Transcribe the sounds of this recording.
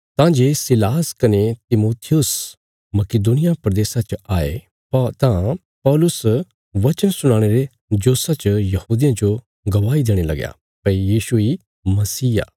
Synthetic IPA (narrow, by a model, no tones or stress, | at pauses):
t̪ãd͡ʒeːsɪlaːskɐnet̪ɪmoːt̪ʰɪjʊs | mɐked̪uːnɪjapɾɐd̪eːsat͡ʃaːḛ | t̪ã | pɔːlʊs | ʋɐt͡ʃənsʊɽ̃ãːɽ̃eɾe | d͡ʒoːsat͡ʃjɐhuːd̪ɪjãd͡ʒo | ɡɐʋaːid̪eːɽ̃elɐɡja̰ː | pɐijiːʃui | mɐsiːja̰ː